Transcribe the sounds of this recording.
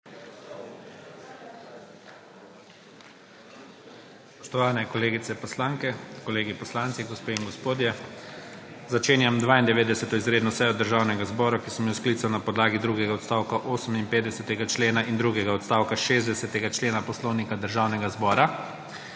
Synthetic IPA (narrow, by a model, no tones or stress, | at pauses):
spɔ̥ʃt̪ɔʋaːnɛkɔleːɡit̪sɛpɔslaːŋkɛkɔleːɡipɔslaːnt̪siɡɔspeːiŋɡɔspoːd̪jɛ | zat͡ʃeːnjamd̪ʋaːind̪ɛʋeːd̪d̪ɛsɛt̪ɔizɾeːd̪nɔsɛjɔd̪əɾʒaːwnɛɡazbɔːɾakisəmjiwsklit̪sawnapɔd̪laːɡid̪ɾuɡɛɡaɔt̪st̪aːwkaʔoːsəminpeːt̪d̪ɛsɛt̪ɛɡat͡ʃleːnaʔind̪ɾuːɡɛɡaɔt̪st̪aːwkaʃezd̪ɛsɛt̪ɛɡat͡ʃleːnapɔslɔwnikad̪əɾʒaːwnɛɡazbɔːɾa